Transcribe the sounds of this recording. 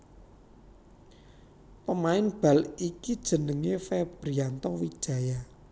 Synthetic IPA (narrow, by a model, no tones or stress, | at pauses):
pəmaɪnb̥ä̤likid̥ʒ̥ə̤nəŋefɛb̥ɾiant̪ɔwi̥ʒ̥a̤ja